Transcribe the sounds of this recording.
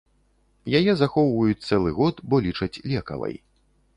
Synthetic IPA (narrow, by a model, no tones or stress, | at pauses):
jajɛzaxɔwvɐjut͡sʲt̪sɛlˠɨɣɔt̪bɔlʲit͡ʂɐt͡sʲlʲɛkɐ̰vɐ̰j